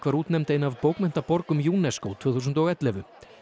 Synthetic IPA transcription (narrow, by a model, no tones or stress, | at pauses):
kvaɾuːt̪nɛmt̪ejnavpoːwkmɛn̥t̪apɔɾkʏmjuːnɛskowt̪ʰvœːθus̬ʏnt̪ɔɣɛt̪lɛvʏ